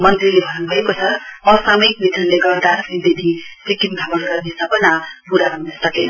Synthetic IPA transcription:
mʌnt̪rilebʱʌnnubʱʌekot͡sʰʌʌsamʌjknit̪ʰʌnleɡʌrd̪asind̪enʰʱisikimd̪ʱabʌnɡʌrnesʌpʌnapuɾaɾʌmnʌsʌke

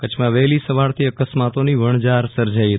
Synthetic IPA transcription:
kət͡ʃʰmãʋɛlisəʋaɭt̪ʰiəkəsmat̪oniʋəɳ̃d͡ʒaɾsəɾd͡ʒaiɦə

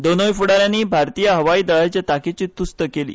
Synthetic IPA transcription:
d̪onojfuɽaɾjãnːiːbʱaɾt̪ijəɦəʋaiːd̪əɭat͡ɕjat̪aket͡ɕiːt̪ust̪əkelḭː

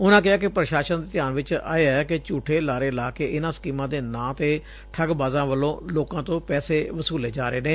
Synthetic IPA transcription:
ʊnãːk̬ɪɦaːk̬ɪpɾəʃaːʃənd̪eːt̪ɪjaːnʋɪt͡ʃa̰ːeːɛːkɪt͡ʃuːʈʰeːlaːɾeːɪlaːkeːʔɪnãːsə̥kiːmãːd̪eːnãːt̪eː | ʈʰəɡbaːzãːʋəlːõːloːkãːt̪õːpɛːseːʋəsuːleːd͡ʒaːɾeːneː

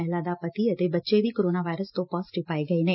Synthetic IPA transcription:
ɛɦlad̪apət̪iət̪ebətːʃeʋikoɾonaʋajɾəst̪opɔsʈɪpaeɡəineː

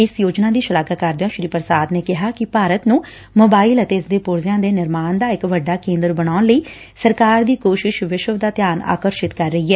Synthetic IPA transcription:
ɪsjoːd͡ʒnaːd̪iːʃəlaːɡakəɾd̪ɪjõːʃɾiːpəɾsaːd̪neːkɪɦaːkɪpaːɾət̪nũː | moːbaːɪlət̪eːɪsd̪eːpʊɾzɪjãːd̪eːnɪɾmaːɳd̪aːɪkʋəɖːaːkẽːnd̪əɾbənaːʊnləiː | səɾkaːɾd̪iːkoːʃɪʃʋɪʃəʋd̪aːt̪jaːna̰ːkəɾʃɪt̪kəɾːəɦiːɦɛː

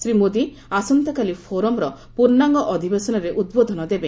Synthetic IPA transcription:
sɾimod̪i | asɔnt̪ɔkalipʰoɾɔmɾɔ | puɾnaŋɡɔʔɔd̪ʱibesɔnɔɾeʔud̪̚bod̪ʱɔnɔd̪ebe

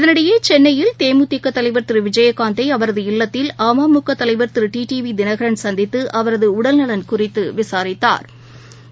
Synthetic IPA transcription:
ɪðɐnɪɽɐjeːt͡ʃɛnːɐjɪlt̪eːmɯt̪ːɪkːɐt̪ːɐlɐɪʋɐɾt̪ɯɾʋɪd͡ʒɐjɐkːaːnd̪ɐɪɐʋɐɾɐðɯɪlːɐt̪ːɪlaːmaːmʊkːɐt̪ːɐlɐɪʋɐɾt̪ɪɾɯʈiːʈiːʋid̪ɪnɐɣɐɾɐnsɐnd̪ɪt̪ːɯʔɐʋɐɾɐðɯʊɽɐlnɐɭɐnkʊrɪt̪ːɯʋɪsaːɾɪt̪ːa̰ːɾ

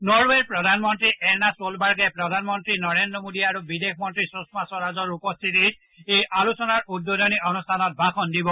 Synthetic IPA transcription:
nɔɹweɹpɹɔdʱanmɔntɹiʔɛnasolbaɹɡɛpɹɔdʱanmɔntɹinɔɹendɹɔmodiaɹubidexmɔntɹisosmasɔɹazɔɹupɔst̪ʰitit̚ | ejalusɔnaɹudːodɔniɔnustʰanɔt̚bʱaxɔndibɔ

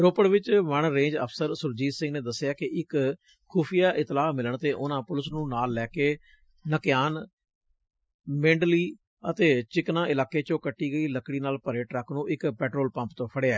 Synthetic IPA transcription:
ɾoːpəɽʋɪt͡ʃʋəɳɾẽːd͡ʒə̰pʰsəɾsʊɾd͡ʒiːsɪ̃ŋɡneːd̪əsːɪjaːkɪʔɪkʰː | uːpʰijaːʔɪt̪laːmɪləɳt̪eːʔʊnãːpʊlɪsnũːnaːlːɛːkeː | nəkjaːn | mẽːɳɖliː | ət̪eːt͡ʃɪknãːɪlaːkeːt͡ʃõːkəʈːiːɡəiːləkɽiːnaːlpəɾeːʈɾəkʰnũːʔɪkpɛːʈɾoːlpə̃mpt̪õːpʰəɽeaɛː

